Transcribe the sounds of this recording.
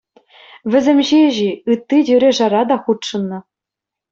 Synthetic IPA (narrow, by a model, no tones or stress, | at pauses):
ʋʲɘ̆zʲemʲʑeʑiɯt̪ːidʲyɾʲeʐɑɾɑd̪ɑχut̪ʂɤ̆nːɤ̆